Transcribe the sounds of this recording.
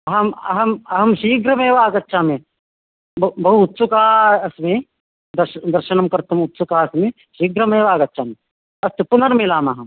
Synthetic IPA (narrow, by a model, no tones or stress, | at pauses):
ɐɦɐmɐ̰ɦɐmɐɦɐmʃiːɡɾɐmeːʋaːɡɐtːʃʰaːmẽ | bɐbɐɦuːt̪ːsukaːɐsme | d̪ɐɾʃd̪ɐɾʃɐnɐmkɐɾt̪ʰɐmut̪sukaːɐsmẽ | ʃiːɡɾɐmeːʋaːɡɐtːʃʰaːmẽ | ɐst̪upunɐɾmilaːmɐɦɐm